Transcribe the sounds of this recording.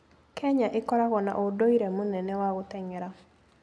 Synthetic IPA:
kʰɛɲaʔekɔɾaɣɔna̰ʔodoiɾɛmonɛnɛwaɣotɛŋɛɾa

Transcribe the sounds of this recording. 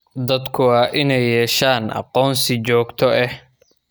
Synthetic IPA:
d̪ɐd̪kʰʊɑːʔɪnɛjːɛːʃaːnʔɑ̰qɔːnsɪt͡ʃɔːɡt̪ʰɔʔɛh

